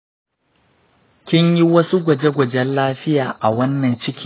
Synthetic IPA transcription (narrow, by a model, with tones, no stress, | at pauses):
kʲɪ˦ɲji˦wɐ˦su˦ɡʷɐ˨d͡ʒe˦ɡʷɐ˨d͡ʒɛ˦nlaː˦ɸɪ˦jaː˨ʔa˨wɐ˦nːɐ˨nt͡ʃɪ˦kʲi˦